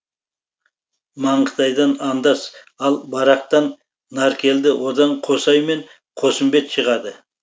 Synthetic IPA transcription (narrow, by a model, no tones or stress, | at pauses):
mɑɴqʰə̥t̪ɑjd̪ɑnɑnd̪ɑs | ɑlˠbɑɾɑq̚t̪ɑnː | ɑɾkʲe̞ld̪ɪwod̪ɑɴqʰo̞sɑjme̞ɴ | qʰo̞səmbe̞t̪ʃəʁɑd̪ə